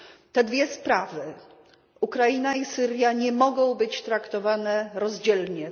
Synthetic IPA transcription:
t̪ɛd̪vʲjɛspɾavɘ | ukɾainaisɘɾʲjaɲɛmɔɡɔ̃w̃bɘt͡ɕt̪ɾakt̪ɔvanɛɾɔzd͡ʑɛlɲɛ

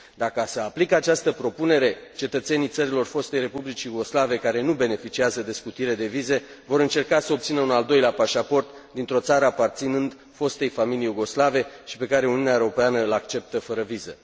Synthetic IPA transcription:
d̪akəaseaplikəat͡ʃast̪əpɾo̞pune̞ɾe̞t͡ʃe̞t̪ət̪se̞nijt̪səɾilo̞rfo̞st̪e̞jre̞publit͡ʃijuɡo̞slave̞kaɾe̞nube̞ne̞fit͡ʃiazəd̪e̞skut̪iɾe̞d̪e̞vize̞vo̞ɾɨnt͡ʃe̞rkasəop̚t̪sinəunald̪o̞jleapaʃapo̞rt̪d̪int̪ɾo̞t̪saɾəapart̪sinɨnd̪ | fo̞st̪e̞jfamiliejuɡo̞slave̞ʃi̥pe̞kaɾe̞uniuneaeɾo̞peanəlakt͡ʃe̞p̚t̪əfəɾəvizə̰

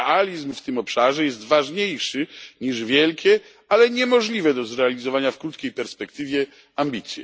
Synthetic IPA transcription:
alʲizmft̪ɘmɔpʂaʐɛjɛst̪vaʐɲejʂɘɲiʐvʲjɛlkʲɛ | alɛɲɛmɔʐlʲivɛd̪ɔzɾɛalʲizɔvaɲafkɾut̪kʲejpɛɾspɛkt̪ɘvʲjɛ | ambʲit̪sʲjɛ̰

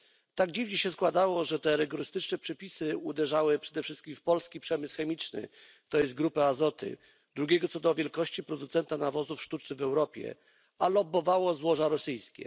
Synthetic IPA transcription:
t̪aɡd͡ʑivɲɛɕɛskwad̪awɔʐɛt̪ɛɾɘɡɔɾɘst̪ɘt͡ʂnɛpʂɛpʲisɘud̪ɛʐawɘpʂɛd̪ɛfʂɘst̪kʲimfpɔlskʲipʂɛmɘsxɛmʲit͡ʂnɘ̰ | t̪ɔjɛst̪̚ɡɾupaazɔt̪ɘ̰ | d̪ɾuɡʲɛɡɔt̪sɔd̪ɔvʲjɛlkɔɕt͡ɕipɾɔd̪ut̪sɛnt̪anavɔzufʂt̪ut͡ʂnɘɣvɛwɾɔpʲjɛ̰ | alɔbɔvawɔzwɔʐaɾɔsɘjskʲɛ̰

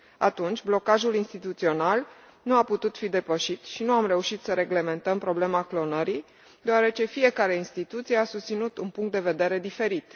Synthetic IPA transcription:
at̪unt͡ʃʲblo̞kaʒulinst̪it̪ut̪sio̞nal | nuaput̪ut̪fid̪e̞pəʃit̪ʃinuamɾe̞uʃit̪səɾe̞ɡle̞me̞nt̪əmpɾo̞ble̞maklo̞nəɾi | d̪eaɾe̞t͡ʃe̞fije̞kaɾe̞inst̪it̪ut̪sije̞asust̪sinut̪unpuŋkt̪̚d̪e̞ve̞d̪e̞ɾe̞d̪ife̞ɾit̪

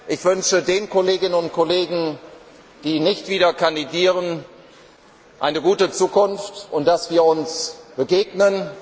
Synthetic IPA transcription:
ʔɪçv̥ʏnʃədeːnkʰɔleːɡɪnənʊnt̚kʰɔleːɡŋ̩ | d̥iːnɪçtv̥iːdɐkandidiːʁən | ʔa̰ɪnəɡuːtət͡suːkʊnftʔʊnt̚d̥asv̥iːɐʊnsb̥əɡeːɡnən

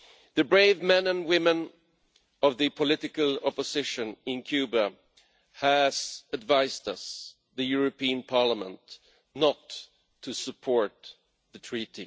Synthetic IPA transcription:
ðɨbɹeɪvmɛ̃nə̃nwɪ̃mə̃n | ʌvðɨpʰəlɪɾɨkəlˠɑpɨzɪʃɨ̃nɪ̃nkʰj̥ʉbə | æz̥ɨdvaɪstʌs | ðɨjʊɹɨpiɨ̃npʰɑɹləmə̰̃nt | nətʰː | ɨsəpʰɔɹt̪̚ | ðɨtʰɹ̥iɾi

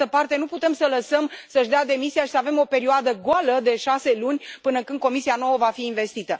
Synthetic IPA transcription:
əpart̪e̞nuput̪e̞msələsəmsəʃd̪ead̪e̞misiaʃi̥səave̞mo̞pe̞ɾioad̪əɡoaləd̪e̞ʃase̞lunʲpɨnəkɨnd̪̚ko̞misiano̞wəvafiːnve̞st̪it̪ə

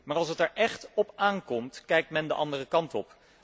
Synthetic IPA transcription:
maːɹɑlˠsətɛɹʔɛχtɔpaːŋkɔmtkɛjk̚tmɛndə̰ʔɑndərəkɑntɔ̰p

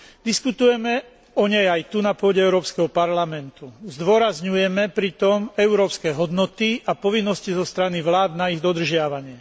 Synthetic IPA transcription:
d̪iskut̪ujɛmɛ | ɔɲɛjajt̪unapʊɔɟɛɛʊɾɔːpskɛɦɔpaɾlamɛnt̪uzd̪ʋɔɾazɲujɛmɛpɾit̪ɔmɛʊɾɔːpskɛɦɔd̪nɔt̪iapɔʋinːɔscizɔst̪ɾaniʋlaːd̪naiɣd̪ɔd̪r̩ʒɪaʋaɲɪɛ

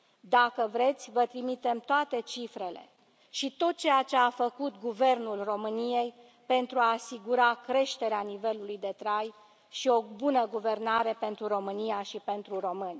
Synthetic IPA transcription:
d̪akəvɾe̞t̪sʲvət̪ɾimit̪e̞mt̪oat̪e̞t͡ʃifɾe̞le̞̰ | ʃit̪o̞t̪̚t͡ʃe̞jat͡ʃe̞afəkut̪ɡuve̞rnulro̞mɨnije̞j | pe̞nt̪ɾuaːsiɡuɾakɾe̞ʃt̪e̞ɾeanive̞lulujd̪e̞t̪ɾaj | ʃio̞bunəɡuve̞rnaɾe̞pe̞nt̪ɾuro̞mɨnijaʃipe̞nt̪ɾuro̞mɨnʲ

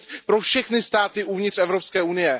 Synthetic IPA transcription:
pɾo̞fʃɛxnɪst̪aːt̪ɪʔuvɲɪt̪r̥ɛvɾopskɛːʔunɪjɛ

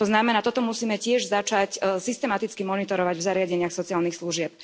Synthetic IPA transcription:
t̪ɔznamɛnaːt̪ɔt̪ɔmusiːmɛcɪɛʒzat͡ʃacsist̪ɛmat̪it͡skimɔnit̪ɔɾɔʋaɟvzaɾɪaɟɛɲɪaxsɔt͡sialnixsluʒɪɛp̚

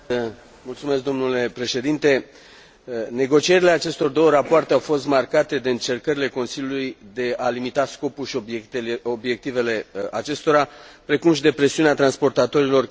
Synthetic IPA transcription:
mult̪sume̞sk̚d̪o̞mnule̞pɾe̞ʃe̞d̪int̪e̞ | ne̞ɡo̞t͡ʃieɾile̞at͡ʃe̞st̪o̞rd̪o̞wəɾapoart̪e̞awfo̞st̪markat̪e̞d̪eɨnt͡ʃe̞rkəɾile̞ko̞nsiljulujd̪e̞alimit̪asko̞pulʃiob̪obje̞k̚t̪ive̞le̞at͡ʃest̪o̞ɾapɾe̞kumʃid̪e̞pɾe̞siuneat̪ɾanspo̞rt̪at̪o̞ɾilo̞r

